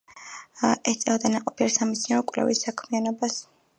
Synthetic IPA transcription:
ɛst̪sʼɛvd̪anaqʼɔpʰilɛsamisʰniɔkʼvlɛ̰visːakʰmianɔbas

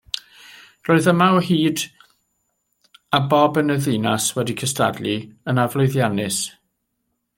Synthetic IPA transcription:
roːɨðəmawhiːd | abɔbənəðinaswɛdikʰəsta̰dliənavlˠʊɨðjanɪs

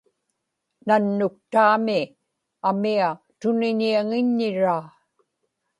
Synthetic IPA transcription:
nanːʊk̚t̪aːmɪ | amia | t̪ʊnɪɲiaŋɪɲːɪɻaː

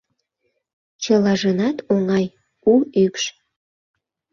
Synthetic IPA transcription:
t͡ɕəlɑʒənɑt̪ʰoŋɑj | uykʃ

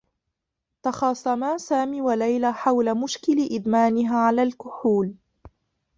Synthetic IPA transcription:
t̪ɑxɑːsˤɑmaːsaːmiːwalajlaːħawlamʊʃkɪlɪʔɪd̪maːnɪɦaːʕalaːlkʊħuːl

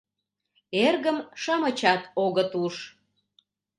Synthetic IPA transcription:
erɣəmʃɑmət͡ɕɑt̪oɣət̪uʃ

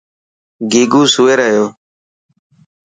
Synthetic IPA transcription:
ɡiːɡuːsuːeːɾəjoː

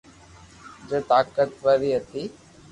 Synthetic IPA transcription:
d͡ʒeːt̪aːkət̪ʋəɾiɦət̪iː

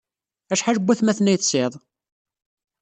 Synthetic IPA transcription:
æʃħaʒəbːæθmæθnːæjθsɪðˤ

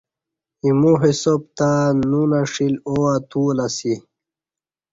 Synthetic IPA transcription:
imuɦisop̚t̪anunaʂiloat̪uːlasi

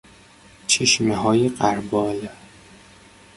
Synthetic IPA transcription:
t͡ʃʰeʃmeɦɒːjeɢæɾbɒːl

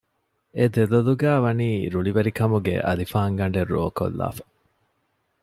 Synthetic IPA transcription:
ed̪eloluɡæːʋɐniːɾuɭiʋɐɾikɐmuɡḛʔɐlifaːŋɡɐɳɖeɾːo̰ːko̰lːa̰ːfɐ̥

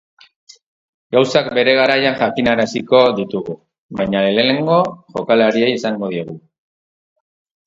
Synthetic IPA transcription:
ɡawsakbe̞ɾe̞ɣ̞aɾajanxakinaɾasiko̞ðit̪uɣu | βajɲalelene̞ŋɡo̞ʝo̞kalaɾiejisaŋɡo̞ð̞ioɣu

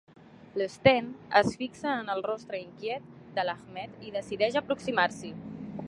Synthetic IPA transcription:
ləst̪ɛnəsfiksəːnəlˠrɔst̪ɾəiŋkjɛt̪̚d̪əlaxmɛt̪iðəsiðɛʃəpɾuksimaɾsi

